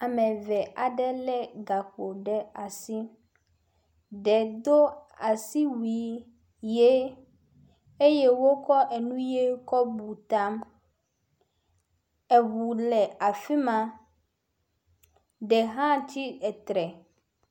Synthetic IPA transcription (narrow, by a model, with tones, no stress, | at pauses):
a˨mɛ̃˨vɛ˨ʔa˨ɖɛ˦lɛ˦ɡa˨k͡po˨ɖɛ˦a˨si˦ | ɖɛ˨d̪o˦a˨si˦wi˨˦ | je˦ | e˦je˦wo˦kɔ˦ʔɛ˨nũ˦je˦kɔ˦bu˨t̪a˦m | ɛ˨βu˨lɛ˨a˨fi˦mã˦ | ɖɛ˨ɦã˦t̪ʰi˦ɛ˨t̪ɾɛ˨